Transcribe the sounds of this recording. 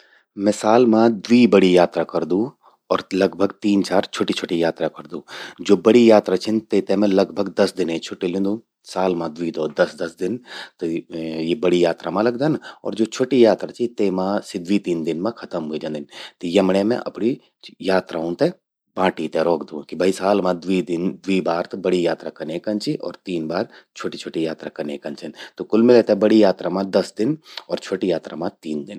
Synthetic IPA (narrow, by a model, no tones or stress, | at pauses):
mɛ̃saːlmãd̪ʋiːbəɽijaːt̪ɾakɐɾd̪ũː | ɔːɾlɐɡbʱəɡt̪iːnt͡ʃaːɾt͡ʃʰoːʈit͡ʃʰoːʈijaːt̪ɾakɐɾd̪ũːd͡ʒoːbɐɽijaːt̪ɾat͡ʃʰɪnt̪et̪ɛmɛ̃lɐɡbʱəɡd̪ɐsd̪ɪnet͡ʃʰʊʈilɪ̃nd̪ũː | saːlmãd̪ʊʋid̪ɔːd̪ɐsd̪ɐsd̪ɪnt̪ojebɐɽijaːt̪ɾamãlɐɡd̪anɔ̰ːɾd͡ʒoːt͡ʃʰoːʈijaːt̪ɾat͡ʃʰit̪eːmãsid̪ʋit̪iːnd̪ɪnmãkʰɐt̪əmɦʊid͡ʒɐ̃nd̪ɪnt̪ojɐmɽemḛ̃ʔɐ̰pni | jaːt̪ɾʔaɦũt̪e | bãːʈit̪ɛɾɔːkd̪ũːkibʱɐisaːlmãd̪ʊid̪ɪnd̪uibaːɾt̪bɐɽijaːt̪ɾakɐneːkɐnt͡ʃiʔɔ̰ːɾt̪iːnbaːɾt͡ʃʰoːʈit͡ʃʰoːʈijaːt̪ɾakɐnḛːkɐnt͡ʃɐnt̪okʊlmɪlet̪ɛbɐɽijaːt̪ɾamãd̪ɐsd̪ɪnɔːɾt͡ʃʰoːʈijaːt̪ɾamãt̪iːnd̪ɪn